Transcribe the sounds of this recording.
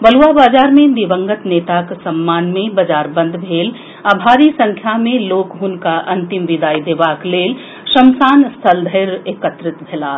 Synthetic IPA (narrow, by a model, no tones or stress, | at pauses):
bɐluʋabaːd͡ʒaːɾmẽd̪iʋə̃ŋɡət̪neːt̪aksɐmːaːnmẽbɐd͡ʒaːɾbə̃nd̪ʱbʱeːl | abʱaːɾisɐ̃ŋkʰjamẽloːkɦʊnkaʔɐ̃nt̪ɪmʋɪd̪aːid̪eːʋaːkleːl | ʃɐmsaːnst̪ʰəld̪ʱəɾeːkət̪ɾɪt̪bʱeːlaː